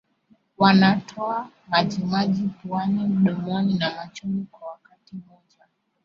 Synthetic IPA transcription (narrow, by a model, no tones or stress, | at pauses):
wanatʰɔa | mad͡ʒimaʄipuanim̩ɗɔmɔninamat͡ʃumikwawakatimɔʄa